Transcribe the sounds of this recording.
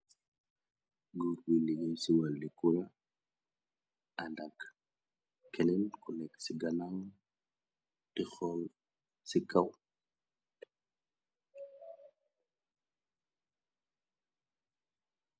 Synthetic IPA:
ɡuɾwilijinsiwalːikuɾa | andakː | ɛnɛnkulɛksiɡanaŋ | tixɔl | sikaw

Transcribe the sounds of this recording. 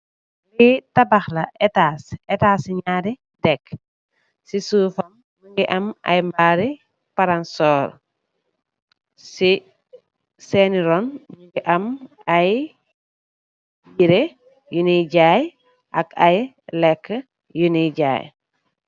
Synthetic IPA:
litɐbɐxlɐʔɛtaːsɛtaːsiɲaːɾi | dɛk | sisuːfɐmːuŋɡiʔɐmɐ̰jmbaːɾi | pɐɾansɔːɾ | si | sɛniɾɔnmuŋɡiʔɐmɐj | biɾe | juniɟaːj | ʔɐkɐj | lɛkːə | juniɟa̰ːj

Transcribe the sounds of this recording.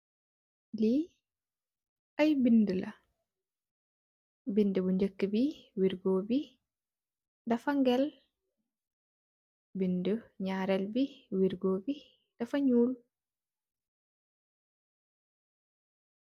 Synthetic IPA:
li | ɐjbindəlʔɐ | bindəbuɲd͡ʒəkːəbiwiɾɡoːbi | dɐfɐŋɡɛl | bindəɲaːɾɛlbiwiɾɡoːbi | d̥ɐfɐɲuːl

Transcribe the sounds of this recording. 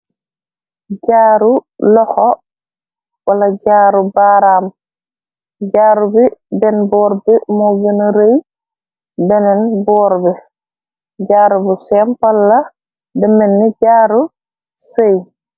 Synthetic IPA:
ɟaːɾulɔxɔ | walaɟaːɾubaɾaːm | ɟaːɾubibɛnbɔːɾbimɔɡənɾej | bɛnɛnbɔːɾbɛ | ɟaːɾubisɛmpalːa | dəmenːiɟaːɾu | sej

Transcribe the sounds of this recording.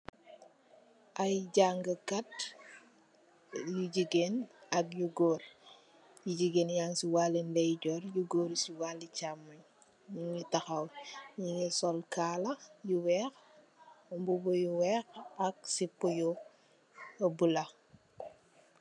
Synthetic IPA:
ʔɐjɟaŋɡəkat | juɟiɡenɐk̚juɡɔɾ | juɟiɡenjaŋsiwalinlɛjɟɔɾjuɡoːɾsiwalit͡ʃamuɲ | ɲiŋitɐxɐwɲiŋisɔlkalɐjuwɛx | mbubɔjuwɛːxɐk̚sipujɔ | bulɐ

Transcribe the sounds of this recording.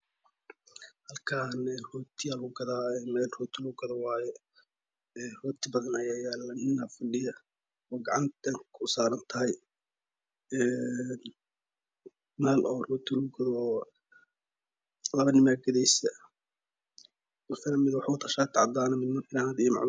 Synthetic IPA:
hɐlkʰaːnɛrɔːt̪ʰiɐlʊɡɐðaːɛːmɛːlrɔːt̪ʰɪlʊɡɐðɔwɑːjɛ | ɛːrɔːt̪ʰɪbɐðɐnɐjaːjaːlɐnɪnɐfɐɖɪjɐ | ɔːɡɑʕɑnt̪ɐŋkʰʊsaːɾɐnt̪ʰɐɦɐj | ɛːn | mɛːlʔɔːrɔːt̪ʰɪlɡʊɡɐðɔː | lɐβɐnɪmaːɡɐðɛjsɐ | wʊt̪ʰɐnɐmɪðwɑħat̪ʰɐʃaːt̪ʰɪʕɑ̰d̪aːnɐmɪd̪mɪnħɪnaːd̪iːm̰ʕ̰

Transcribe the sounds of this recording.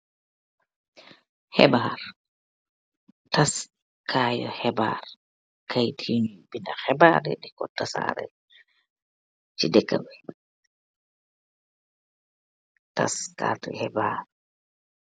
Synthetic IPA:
hɛbaɾ | tas | kʰaːjɔhɛba̰ɾ | kʰajtʰiɲubindaxɛbaɾɛ̰ɗikɔtːasa̰ɾɛ̰ | t͡ʃidɛkːabɛ | ta̰skaːtṵhɛbaɾ

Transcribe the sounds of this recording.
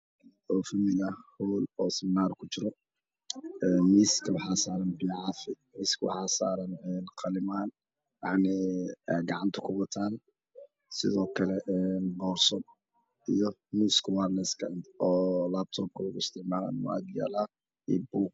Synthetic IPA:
ɔːfɪmɪɣɐhuːlɔːsɪmnaːrkʰʊt͡ʃɪɾɔ | ɛːnmiːskʰɐwħaːsaːɾɐnbiʕɑfɪ | miːskʰwɑ̰ħaːsaːɾɐnɛːnqʰɑlɪmaːn | jɑʕnɪɛɡɑʕɑnt̪ʰɐ̥kʰʊbɐt̪ʰaːn | sɪðɔːkʰɐlɛʔɛːnbɔːrsɔd̚ | ijɔmiːskʰwarnɛskʰɐd̪ɔːlaːb̚t̪ʰɔːb̚kʰʊɣʊɪst̪ʰɪʕmaːla̰nwa̰d̪jɛ̰ːlaː | ibuːɡ

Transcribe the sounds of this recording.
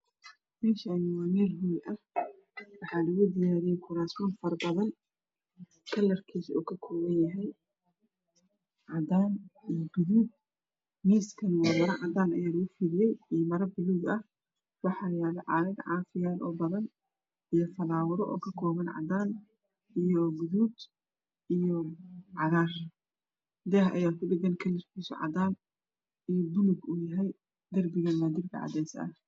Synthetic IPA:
mɛːʃanɪwaːmɛːlɦujʔɐh | wɑħɑːlɐɣʊd̪ɪjaːɾijɛjkʰʊɾaːsmɔːnfɐrbɐðɐn | kʰɐlːɐrkʰiːsṵːkʰɐkʰɔːɣɐnjɐɦɛj | ʕɑd̪aːnijbɪðuːɡ̚ | miːskʰɐnwaːmɐɾɐʕɑd̪aːnɐjaːlɐɣʊfiːðɪjɛjimɐɾbɪluːɡɐh | wɑħɑːlɐjaːlɛʕɑ̰ːɾɐd̪ʕɑːfɪjaːlʔɔ̰ːbɐðɐn | ʔijɔfɐlaːwɐɾɔʔɔ̰ːkʰɐkʰɔːβɐnʕɑ̰d̪aːn | ijɔɡʊðuːd̪ | ʔijɔʕɑðaːr | d̪ɛːɦʔɐ̰jaːkʰʊbɪɡɐnkʰɐlːɪrkʰiːsɔ̰ʕɑ̰d̪aːn | ʔijɔb̪ʊlʊɡʊjɐɦɛj | d̪ɐrbɪɣɐnmɐːd̪ɪbkʰɐ̰ʕɑ̰d̪ɛjsʔɐ̰

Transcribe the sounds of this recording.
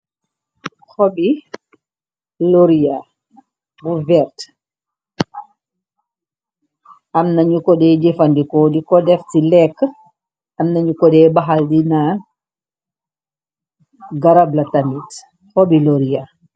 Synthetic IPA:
xɔbi | loɾija | buvɛɾt | amnaɲukɔdɛd͡ʒɛfandikɔːdikɔdɛftilɛkː | amnaɲukɔdɛbaɦaldina | ɡaɾablatamit | xɔbiloɾija

